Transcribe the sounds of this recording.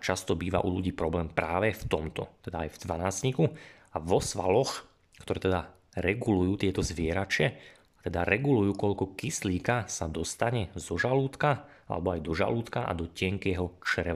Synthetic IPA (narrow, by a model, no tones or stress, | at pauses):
t͡ʃast̪ɔbiːʋa̰ʔṵluɟiːpɾɔblɛːmpɾaːʋɛft̪ɔmt̪ɔ̰t̪ɛd̪aajvd̪ʋanaːzɲiku | aʋɔsʋa̰lɔx | kt̪ɔɾɛːt̪ɛd̪a | ɾɛɡulujuːt̪ɪɛt̪ɔzʋɪɛɾat͡ʃɪɛ | at̪ɛd̪aɾɛɡulujuːkɔʎkɔkisliːkasad̪ɔst̪aɲɛzɔʒaluːt̪ka | a̰lɛ̰bɔajd̪ɔʒa̰luːt̪kaʔa̰d̪ɔcɪɛŋkjɛɦɔt͡ʃɾɛ